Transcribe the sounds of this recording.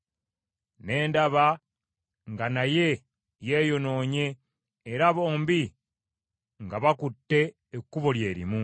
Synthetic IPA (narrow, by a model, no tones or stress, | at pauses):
ne̞ːndaβa | ŋɡanaje̞ | je̞ːjo̞no̞ːɲe̞ː | ɾaβo̞ːmbi | ŋɡaβakutːe̞ː | kːuβolje̞ːɾḭmu